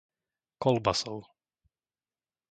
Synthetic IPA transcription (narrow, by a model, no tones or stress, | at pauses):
kɔlbasɔl